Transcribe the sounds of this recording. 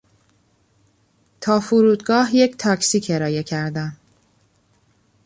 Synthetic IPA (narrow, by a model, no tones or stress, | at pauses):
t̪ʰɒːfuɾuːd̪ɡɒːɦje̞ct̪ʰɒːcsiːcʰe̞ɾɒːje̞cʰæɾd̪æm